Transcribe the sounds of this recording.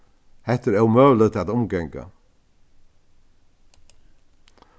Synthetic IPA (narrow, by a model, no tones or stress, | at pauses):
hɛht̪əɾɛwmœːlət̪ʰat̪ʊmɡɛŋkə̰